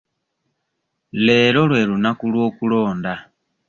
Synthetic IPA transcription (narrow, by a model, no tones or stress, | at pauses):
leːlolwelunakulwokuloːnda